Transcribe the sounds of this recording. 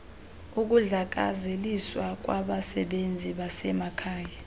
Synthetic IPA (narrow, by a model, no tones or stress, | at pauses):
uk̬uɮak̬a̰zeliswak̬ʼwaɓasɛɓend͡zʱiɓasɛmakʰaːja